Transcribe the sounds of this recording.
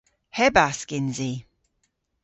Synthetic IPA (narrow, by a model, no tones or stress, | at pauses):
hɛbaskɪnzi